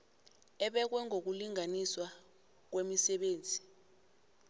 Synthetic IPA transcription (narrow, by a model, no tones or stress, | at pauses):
ɛɓɛk̬wɛŋʱok̬uliŋaniswa | k̬wemisɛɓeːnd͡zʱi